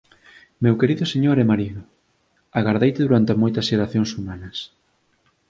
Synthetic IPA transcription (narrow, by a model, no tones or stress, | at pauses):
mewkeɾiðʊseɲoɾɛmaɾiðʊ | aɣaɾðejt̪ɪðuɾant̪ɪmojt̪ɐsʃeɾaθjoŋsumanɐs